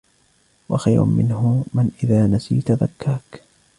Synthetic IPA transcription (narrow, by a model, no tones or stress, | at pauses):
waxajɾʊ̰mɪnhʊmanʔɪðaːnasḭːt̪aða̰kːaːk